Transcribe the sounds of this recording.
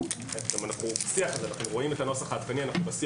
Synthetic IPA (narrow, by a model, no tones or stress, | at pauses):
efɡamanaχnubasiaχazelaχnuʁo̞imet̪ano̞saχaːt̪̚kanianaχnubasi